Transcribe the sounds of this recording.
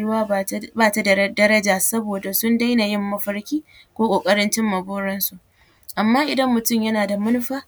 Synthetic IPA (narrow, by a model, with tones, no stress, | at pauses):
ɽʊ˦waː˦baː˦ta˨ddɐ˦ɾɐ˦d͡ʒaː˨sɐ˦boː˨da˨sʊ˦nda˦jna˨jɪ˦˨mːɐ˦ɸɐ˦ɽkʲiː˦ | kʷoː˦kʷʼoː˨kʼɐ˦ɾɪ˦nt͡ʃɪ˦mːɐ˨boː˦ɽɐ˦nsu˨ʔ | ʔa˨mːaː˦ʔɪ˨dɐ˦mːʊ˨tʊ˦˨mjɐ˦naː˨da˨mɐ˦nʊ˦ɸaː˦